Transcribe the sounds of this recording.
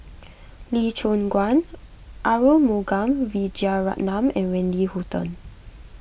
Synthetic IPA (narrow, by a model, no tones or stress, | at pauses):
lit͡ʃõnɡwãn | ʔaɹəlmoɡãmvid͡ʒiaɹa̰ʔnãmɛ̃nɹɛ̃ndihutə̰̃n